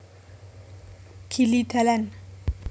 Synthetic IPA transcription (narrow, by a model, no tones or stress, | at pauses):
kʰilit̪ʰalan